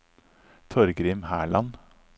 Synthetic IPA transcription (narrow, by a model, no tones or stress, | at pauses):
t̪ʰɔɾɡɾɪmhæːɭɑn